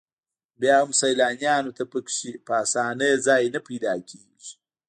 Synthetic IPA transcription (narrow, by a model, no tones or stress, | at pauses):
bjaːumsɐjlaːɲjaːnot̪ʰɐpɐkʃipaːsaːnɐzaːinɐpiːd̪aːkʲʰiːʒi